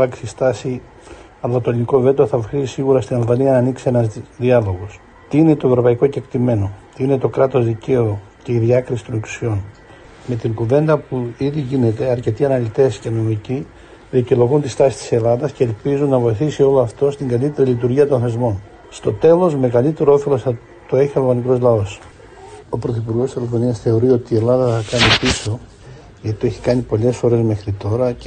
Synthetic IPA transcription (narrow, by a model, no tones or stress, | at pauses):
ɐksist̪ɐsi | ɐlɐt̪oliniko̞ve̞t̪oθɐxiisiɣuɾɐst̪inɐlvɐniɐnɐːniksie̞nɐzðiɐlo̞ɣo̞s | t̪iine̞t̪oe̞vɾo̞pɐiko̞ce̞kt̪ime̞no̞t̪iine̞t̪o̞kɾɐt̪o̞zðice̞o | ce̞iðiɐkɾisi̥t̪o̞neksu̥sio̞n | me̞t̪iŋkuve̞nd̪ɐpuiðiʝine̞t̪e̞ɐɾce̞t̪iɐnɐlit̪e̞sce̞no̞mici | ðicilo̞ɣunt̪ist̪ɐsi̥t̪i̥se̞lɐðɐsce̞lpizunːɐvo̞jiθisio̞loɐft̪o̞st̪iŋɡɐlit̪e̞ɾilit̪̬uɾʝiɐt̪onθe̞zmo̞n | st̪o̞t̪e̞lo̞zme̞ɣɐlit̪e̞ɾooθe̞lo̞sɐ | t̪o̞e̞çioloɣɐniko̞zlɐo̞s | o̞pɾoθipuɾɣo̞siselofo̞niɐsθe̞o̞ɾio̞t̪iːe̞lɐðɐθɐkɐnipiso̞ | ʝɐt̪i̥t̪o̞eçi̥kɐnipo̞le̞sfo̞ɾe̞zme̞xɾit̪o̞ɾɐ